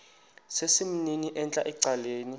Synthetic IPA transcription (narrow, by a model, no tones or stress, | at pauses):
sesim̩niniʔɛnt͡ɬʼaʔɛǀaleːni